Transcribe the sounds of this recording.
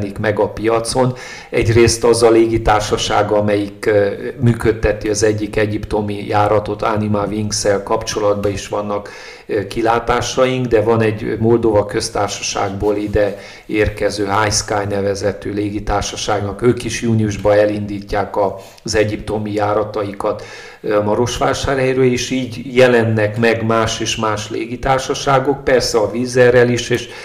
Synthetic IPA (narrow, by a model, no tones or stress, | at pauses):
nikmɛɡɒpijɒt̪so̞n | ɛ̰ɟreːst̪ɒzɒleːɡit̪aːrʃɒʃa̰ːɡɒmɛjikmyːkø̞t̪ːɛt̪iɒzɛɟːikɛɟipt̪o̞mijaːɾɒt̪o̞t̪a̰nimaviŋɡsɛlkɒpt͡ʃo̞lɒd̪̚bɒiʃʋɒnːɒk | kːilaːt̪aːʃɒjiŋɡd̪ɛvɒnɛɟmo̞ld̪ovɒkø̞st̪aːrʃɒ̥ʃa̰ːɡboːlid̪ɛ | eːrkɛzøːɦajskaːjnɛvɛzɛt̪øːleːɡit̪aːrʃɒʃaːɡnɒkøːkiʃjuːniuʒbɒɛlind̪iːcːaːkɒ | zɛɟip̚t̪o̞mijaːɾɒt̪ɒjikɒt̪ | mɒɾo̞ʃʋaːʃaːrɦɛjɾøːleːʃiːɟjɛlɛnːɛkmɛɡmaːʃeːʃmaːʃlḛːɡit̪aːrʃɒʃaːɡo̞k̚pɛrsɛɒviːzɛrːɛliʃeːʃ